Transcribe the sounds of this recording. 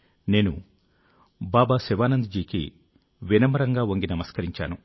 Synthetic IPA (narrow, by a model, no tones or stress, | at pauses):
ne̞ːnṵ | baːbaːsɛʋaːnɐnd̪d͡ʒiːkḭ | ʋinɐmɐɾɐŋɡaːʋoŋɡinɐmɐskɐɾiɲt͡ʃa̰ːnu